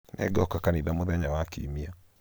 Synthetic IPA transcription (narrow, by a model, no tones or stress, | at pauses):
nʔɛ̰ɡɔkakaniðamoðɛɲawakḭmia